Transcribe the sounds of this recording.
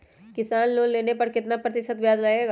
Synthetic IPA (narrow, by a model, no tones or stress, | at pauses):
kɪsaːnloːnleːnepɐɾkɪt̪napɾɐt̪ɪʃət̪ʋjaːd͡ʒlaeːɡa